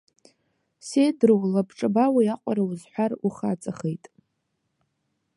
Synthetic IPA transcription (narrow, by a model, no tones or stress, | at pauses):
sedrowlabʈ͡ʂʼɨbawiaqʷʼa̰ɾawuzħʷᶣaruχat͡sʼaχejtʼ